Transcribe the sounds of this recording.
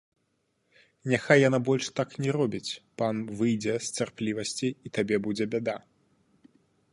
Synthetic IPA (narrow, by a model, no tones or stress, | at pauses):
nʲaxajːanabɔlʲʂt̪aknʲɛɾɔbʲit͡sʲpanvɨjd͡zʲɛst͡sʲarplʲivɐsʲt͡sʲiːt̪abʲɛbud͡zʲɛbʲad̪a